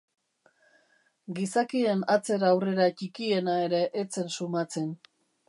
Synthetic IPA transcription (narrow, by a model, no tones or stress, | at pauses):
ɡisakie̞nat͡se̞ɾaːwre̞ɾat͡ʃikie̞nae̞ɾe̞ʔːt͡se̞nsumat͡se̞n